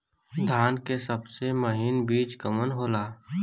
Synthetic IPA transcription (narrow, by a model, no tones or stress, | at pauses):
d̪ʱaːnkesəbseməɦɪnbiːt͡ʃkəmənɦoːlaː